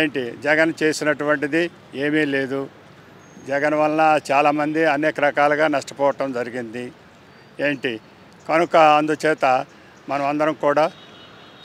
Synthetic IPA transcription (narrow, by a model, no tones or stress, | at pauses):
eːɳʈid͡ʒɛɡɐnt͡ʃe̞ːsinɐʈuʋɐɳʈid̪i | e̞ːmiːle̞ːd̪u | d͡ʒɛɡɐnʋɐlɐnɐt͡ʃaːlaːmɐnd̪iɐneːkɐɾɐkaːlɐɡaːnɐʂʈɐ̥pɔːʋɐʈɐmd͡ʒɐɾiɡind̪i | eːɳʈi | kɐnukɐɐnd̪ut͡ʃɛːt̪ɐ | mɐnɐmɐnd̪ɐɾɐmkuːɽaː